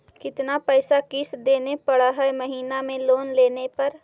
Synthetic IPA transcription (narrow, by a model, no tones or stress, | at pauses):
kɪt̪napɛːsakɪsd̪eːnepɐɽaɦɛmɐɦiːnamẽloːnleːnepɐɾ